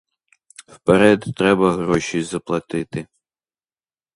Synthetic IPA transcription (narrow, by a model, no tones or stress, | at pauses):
wpeɾɛd̪t̪ɾɛbɐɦɾɔʃʲijzɐplˠɐt̪ɪt̪ɪ